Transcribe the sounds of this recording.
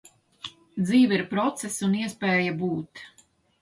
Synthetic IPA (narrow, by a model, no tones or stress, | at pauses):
d̪ziːviɾpɾɔt̪sɛsuniɛspɛːjabuːt̪